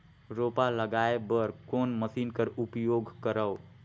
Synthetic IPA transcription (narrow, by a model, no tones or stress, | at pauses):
ɾoːpaləɡaːebəɾkoːnməsiːnkəɾʊpjoːɡkəɾəo